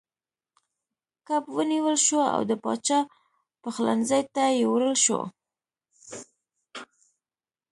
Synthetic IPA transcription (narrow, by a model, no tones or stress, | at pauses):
kapwəniwəlʃoa̰wd̪əpɑ̰t͡ʃɑ | pəxla̰nzajt̪ajewɾəlʃo̰